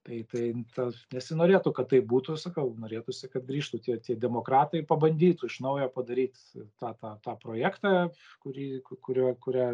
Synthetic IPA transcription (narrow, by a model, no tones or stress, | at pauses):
t̪ɐɪt̪ɐɪt̪ɐnʲɛsʲɪnoːɾʲeːt̪ʊkɐt̪t̪ːɐɪpbuːt̪ʊsɐkɐʊnoːɾʲeːt̪ʊsʲɪkɐt̪ɡɾʲiːʃt̪ut̪ʲiɛt̪ʲiɛd̪ʲɛmoːkɾɑːt̪ɐɪpɐbɐnʲd̪ʲiːt̪uɪʃnɐʊjɛpɐd̪ɐɾʲiːt̪ | t̪ɑːt̪ɑːt̪ɑːpɾoːjæːkt̪ɑː | kʊɾʲiːkkʊɾʲuɔkʊɾʲæː